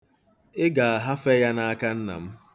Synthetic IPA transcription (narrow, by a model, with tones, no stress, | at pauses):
ɪ˦ɡa˨a˨ɦa˦fe˦ja˦na˦a˦ka˦n̩˦na̰˨m̩˦